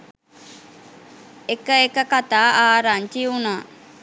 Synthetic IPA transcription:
ekəekəkat̪aːʔaːɾaɲt͡ʃiunaː

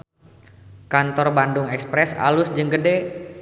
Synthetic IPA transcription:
kant̪ɔrbandʊŋɛkspɾɛsa̰lʊsd͡ʒəŋɡəde

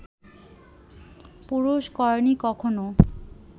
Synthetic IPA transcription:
puɾuʃkɔɹnikɔkʰono

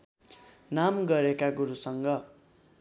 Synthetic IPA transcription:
namɡʌɾekaɡuɾusʌŋɡʌ

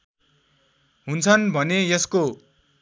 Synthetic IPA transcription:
ɦunt͡sʰʌnbʱʌnejʌsko

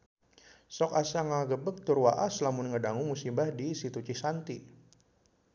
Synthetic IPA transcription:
sɔkasaŋaɡəbək̚t̪urwaʔaslamʊnŋədaŋumusimbahdisit̪ut͡ʃihsant̪i

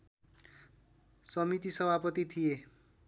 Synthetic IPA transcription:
sʌmit̪isʌbʱapʌt̪it̪ʰije

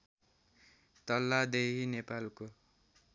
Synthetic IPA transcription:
t̪ʌlːad̪eɦinepalko

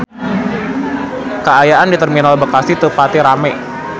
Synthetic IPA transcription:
kəajaʔandit̪ərminalbəkasit̪upat̪iɾamɛ

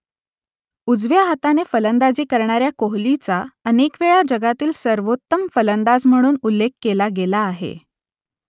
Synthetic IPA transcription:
ud͡zʋjaɦət̪anefələnd̪ad͡ʑiːkəɾɳaɾjakoɦlit͡saənekʋeɭad͡ʑəɡat̪iːlsəɾʋot̪ːəmfələnd̪ad͡zm̤əɽ̃uːnulːekːelaɡelaːɦḛ

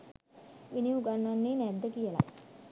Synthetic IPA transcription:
ʋiniuɡanːanːiːnænd̪əkijəla̰j

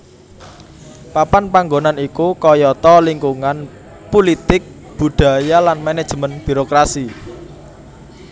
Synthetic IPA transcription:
papanpaŋɡonanikukɔjɔt̪ɔliŋkuŋan | pulit̪ɪk̚ | b̥ṳɖ̪̥a̤jalanmɛnɛd̥ʒ̥mənb̥i̤ɾokɾasi

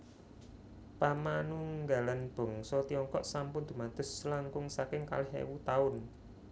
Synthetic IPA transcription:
pamanuŋɡa̤lanb̥ɔ̤ŋsɔt̪iɔŋkɔʔsampʊnd̪ṳmat̪ʊ̤slaŋkʊŋsakɪŋka̰lɪɦḛwut̪aʊn

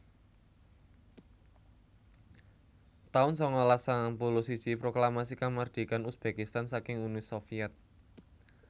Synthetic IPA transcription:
t̪aʊnsɔŋɔlasampolosi̥t͡ʃipɾoklamasikamard̪̥i̤kanusb̥e̤kist̪ansakɪŋunisofiɛt̪̚

